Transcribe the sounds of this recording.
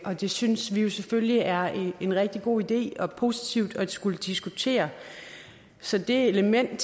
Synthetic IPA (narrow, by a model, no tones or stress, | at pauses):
ʔɒ̽d̥e̝synsʋijo̝seføljiæɐeenʁɛɡ̥̚d̥iɡ̥o̝̰ːid̥e̝̰ːɒ̽pʰo̝sit͡sʰiʊ̰d̥ɒ̥sɡ̥uləd̥isɡ̥ut͡sʰe̝̰ːɐ | sɒ̽d̥e̝eləmen̰d̥